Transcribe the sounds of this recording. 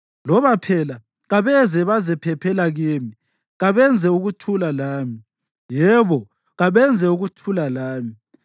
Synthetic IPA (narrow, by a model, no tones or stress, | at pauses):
lɔβapʰɛla | ɣaβɛzɛβazɛpʰɛpʰɛlaɣeːmi | ɣaβɛnd͡zʱɛuɣutʰulalaːmi | jɛβɔ | ɣaβɛnd͡zʱɛuɣutʰulalaːmi